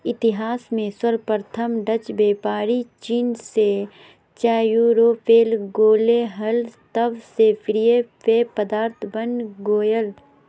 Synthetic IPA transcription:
ɪt̪ɪɦaːsmẽswəɾpəɾt̪ʰəmɖət͡ʃbeːpaːɾit͡ʃiːnse | t͡ʃaːjuɾoːpʰeːlɡoːleɦɐlt̪əʋsepʰɪɾijepepəd̪aːɾt̪ʰbənɡoːjəl

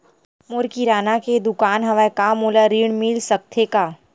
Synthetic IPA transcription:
moɾkiɾaːnaked̪ʊkaːnɦɐʋaekamoːlaɾiːɽ̃milsɐk̚t̪ʰekaː

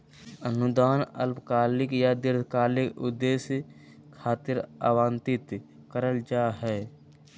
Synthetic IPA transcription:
ənʊd̪aːnə̰lpkaːlɪkjad̪ɪɾd̪ʱkaːlɪkʊd̪eːs | kʰaːt̪ɪɾa̰ːwaːnt̪ɪt̪ | kəɾəld͡ʒaːɦɛː

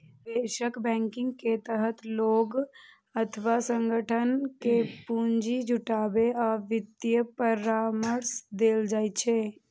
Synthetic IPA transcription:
ʋeʃəkbɛ̃ŋkɪ̃ŋɡket̪əɦət̪loɡ | ət̪ʰəʋasə̃ŋɡəʈʰənkepuɲd͡ʒid͡ʒuʈabeaːʋɪd̪jəpəɾaməɾsd̪eld͡ʒaj̪t͡ʃʰe

